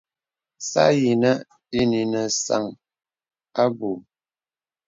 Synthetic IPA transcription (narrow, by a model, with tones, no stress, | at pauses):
sa̰˦ji˨nə˦ | i˦ni˨nə˨sa̰˦˨ŋ | a˦bu˨